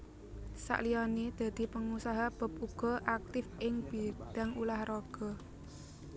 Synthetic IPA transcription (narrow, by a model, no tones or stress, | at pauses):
sa̰ʔliɔnid̪̥ä̤d̪̥i̤pəŋusaɦab̥ə̤p̚uɡ̥ɔ̤ʔak̚t̪ɪfʔɪŋb̥i̤d̪̥a̤ŋulahrɔɡ̥ɔ̤